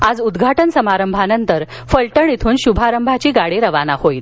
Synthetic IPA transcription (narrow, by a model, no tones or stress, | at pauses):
ad͡zud̪ɡʱaʈənsəmaɾəmbʱanənt̪əɾ | fəɭʈəɳit̪ʰuːnɕubʱaɾəmbʱat͡ɕiːɡaɽeɾəʋanahoiːl